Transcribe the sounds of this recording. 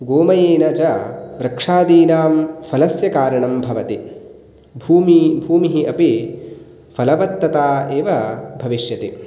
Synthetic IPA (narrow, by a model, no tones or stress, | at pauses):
ɡoːmɐjeːnɐd͡ʒɐʋɾɐkʂaːd̪iːnaːmfʰɐlɐsjɐkaːɾɐɳɐmbʱɐʋɐt̪i | bʱuːmibʱuːmiɦiʔɐpi | fʰɐlɐʋɐt̪ːɐt̪aːeːʋɐbʱɐʋiʃjɐt̪i